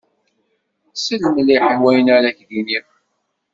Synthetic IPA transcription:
səlmliħəwæjənaɾæçðini

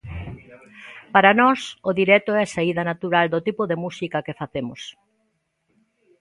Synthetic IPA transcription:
paɾanɔsʊðiɾɛt̪oɛɐsaiðɐnat̪uɾald̪ʊt̪ipʊðemusikɐkefaθemʊs

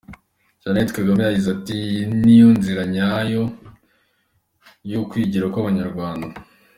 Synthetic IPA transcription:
ʒ̥anetkaɡamajaɟizatinijuːnziɾaɲajo | jokwiːɟiɾakwaβaɲaɾɡwaːnda

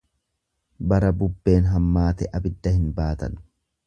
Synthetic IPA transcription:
bɐɾɐbʊbːe̞ːnɦɐmːaːt̪ɛʔɐbɪd̪ːɐhɪnbaːt̪ɐ̰n

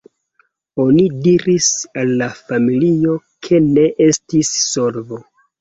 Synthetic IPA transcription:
o̞nidiɾisalːafamilio̞kʰe̞ne̞ʔe̞stisːo̞ɾvo

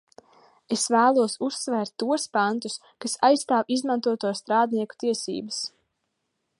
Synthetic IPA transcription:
esvæːlˠuɔsusːvɛːɾt̪ːuɔspant̪us | kasajsːt̪aːwizmãnt̪uɔt̪uɔst̪ɾaːd̪niɛku̥t̪iɛsḭːbɐs

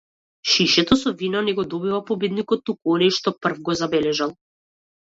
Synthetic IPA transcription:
ʃiʃɛt̪ɔsɔvinɔnɛɡɔd̪ɔbivapɔbid̪nikɔt̪ːukuɔnɔjʃt̪ɔpr̩vɡɔzabɛlɛʒalˠ

